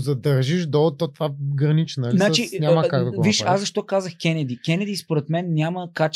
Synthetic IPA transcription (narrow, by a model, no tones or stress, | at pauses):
zɐd̪ɐɾʒiʒd̪ot̪ot̪vaɡɾɐnit͡ʃnənɐlninat͡ʃiɲʲamɐkaɡd̪ɐkviʃazzɐʃt̪okazəxkʲɛnɛd̪ikʲɛnɛd̪ispoɾɛt̪mɛnːʲaməkat͡ʃ